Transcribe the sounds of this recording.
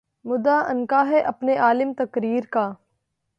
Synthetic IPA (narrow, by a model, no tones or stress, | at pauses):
mʊd̪aɐnkaɦɛʔɐpneʔaːlɪmt̪ɐkɾiːɾkaː